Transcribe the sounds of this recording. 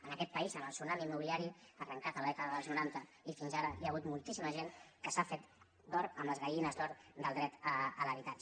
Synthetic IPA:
ənəkɛt̪̚pəizənəlˠsunamimːuβiliaɾiarəŋkat̪ələðɛkəðəðəlˠznuɾant̪əifinzaɾəjaɣut̪mulˠt̪isiməʒeŋkəsafet̪ | d̪ɔɾəmləzɣəinəzd̪ɔɾd̪əlˠd̪ɾɛt̪əələβit̪at͡ʃə

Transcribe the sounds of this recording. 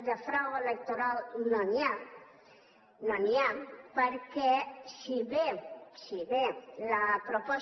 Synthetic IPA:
d̪əfɾawelek̚t̪oɾalnoniam | noniɛmpəɾkɛsiβesiβelapɾopɔ

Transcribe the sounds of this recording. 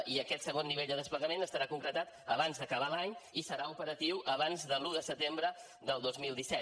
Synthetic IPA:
iəkɛt̪səɣ̞onːiβeʎd̪əðəspləɣəmenəst̪əɾakuŋkɾət̪at̪əβanzðəkəβ̞alaɲisəɾaupəɾət̪iwʔəβanzðəluðəsət̪embɾə | ðəlˠd̪ozmilˠd̪isɛ

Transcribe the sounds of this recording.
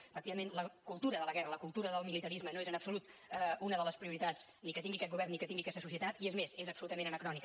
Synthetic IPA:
əfək̚t̪iβəmenləkulˠt̪uɾəðələɣɛrələkulˠt̪uɾəðəlˠmilit̪əɾizmənoezənəpsulut̪unəðələspɾiuɾit̪at͡snikət̪iŋɡikɛt̪̚ɣuβɛrnːikət̪iŋɡiəkɛst̪əsusiət̪at̪iezmesezəpsulut̪əmẽnənəkɾɔnik

